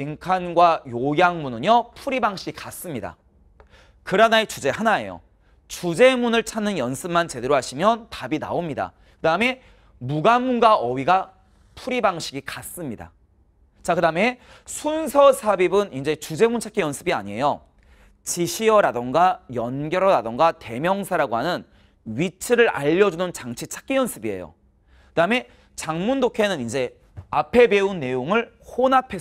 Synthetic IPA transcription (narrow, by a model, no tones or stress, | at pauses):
iŋkʰanɡwajojaŋmunɯɲjʌpʰuɾibaŋɕʰiɡikas͈ɯmɲida̰ | kɯɾanaet͡ɕud͡ʑe̞hanae̞̰jo̰ | t͡ɕud͡ʑe̞munɯɭt͡ɕʰanːɯnjʌnsʰɯmant͡ɕe̞de̞ɾoɦaɕʰimjʌntabina̰omɲida̰ | kɯdaɯme̞ | muɡamunɡaʔʌwiɡa | pʰuɾibaŋɕʰiɡikas͈ɯmɲida̰ | t͡ɕakɯdaɯme̞ | sʰunsʰʌsʰabibɯnind͡ʑe̞t͡ɕud͡ʑe̞munt͡ɕʰak͈ijʌnsʰɯbia̰ɲie̞jo | t͡ɕiɕʰiʌɾadoŋɡajʌnɡjʌɾʌɾadoŋɡate̞mjʌŋsʰaɾaɡoɦanɯn | ɥit͡ɕʰɯɾɯɾa̰ʎːʌd͡ʑunɯnt͡ɕaŋt͡ɕʰit͡ɕʰḁk͈ijʌnsʰɯbie̞̰jo̰ | kɯdaɯme̞ | t͡ɕaŋmundokʰe̞nɯnind͡ʑe̞ | apʰe̞be̞unːe̞joŋɯɭ | honapʰe̞